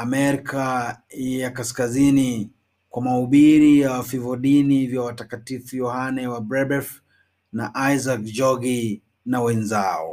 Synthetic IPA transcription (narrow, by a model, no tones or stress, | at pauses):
amɛɾika | jakaskazini | kwamauɓiɾijawafivɔɗinivjawatakatifujɔhanɛwabɾɛbɛf | naʔajzakd͡ʒɔɡi | nawɛnzaɔ̰